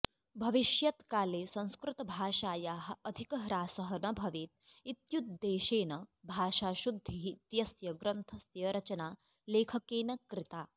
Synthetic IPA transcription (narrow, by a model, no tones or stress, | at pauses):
bʱɐʋiʃjɐt̪kaːleːsɐ̃ñskɾut̪ɐbʱaːʃaːjaːɦɐ̆ɐd̪ʱikɐɾaːsɐɦɐnɐbʱɐʋiːt̪̚it̪jut̪̚d̪eːʃeːnɐbʱaːʃaːʃud̪ʱːit̪jɐsjɐɡɾɐnt̪ʰɐsjɐɾɐt͡ʃɐnaː | leːkʰɐkeːnɐkɾɪt̪aː